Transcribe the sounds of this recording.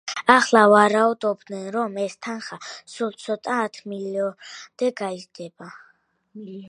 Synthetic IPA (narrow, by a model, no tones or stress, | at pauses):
aχlˠavaɾaud̪ɔbd̪nɛnɾɔmɛst̪ʰanχasulˠt̪sʰɔt̪ʼaːt̪ʰmiliɔd̪̥ɛɡaizd̪ɛba